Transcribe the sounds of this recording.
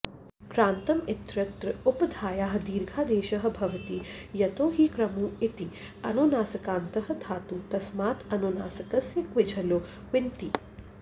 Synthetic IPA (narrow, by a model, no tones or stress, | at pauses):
kɾaːnt̪ɐmɪt̪ɾɐt̪ɾɐʊpɐd̪ʱaːjaːɦ̆d̪iːɾɡʱaːd̪eːʃɐɦɐ̆bʱɐʋɐt̪ijɐt̪oːɦiːkɾɐmuːit̪i | ɐ̰noːnaːsɐkaːnt̪ɐɦɐ̆d̪ʱaːt̪uːt̪ɐsmaːt̪ɐnoːnaːsɐkɐsjɐkʋɪd͡ʒʱɐloː | ʋɪnt̪i